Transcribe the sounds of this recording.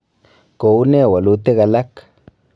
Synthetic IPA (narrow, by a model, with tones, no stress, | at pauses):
ko˨u˦ne˦˨wa˨lu˧t̪e˦ɣa˧la˦k